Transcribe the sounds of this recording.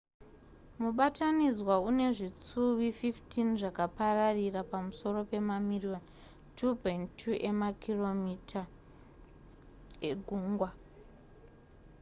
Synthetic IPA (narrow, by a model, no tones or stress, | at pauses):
muɓatanizwaune̞ʐit͡suwififtʰinʐakapararirapamuso̞ro̞pe̞mamirion | tʰupojntʰːuʔe̞makʰilo̞mitʰa | eɡʱuːŋɡwa